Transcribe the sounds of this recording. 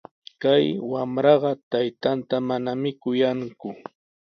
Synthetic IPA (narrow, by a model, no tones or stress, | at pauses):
kajwamɾɑɢɑt̪ajt̪ant̪amanamɪkʊjaŋkʊ